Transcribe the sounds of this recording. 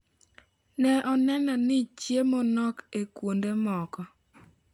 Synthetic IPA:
nɛʔɔnɛnɔnɪt͡ʃjemɔnɔkekwondemɔkɔ

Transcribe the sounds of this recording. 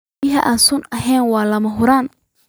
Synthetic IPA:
ɪɦɐʔaːnsʊnɐɦɛjnwɑːlɐmɐɦʊɾaːn

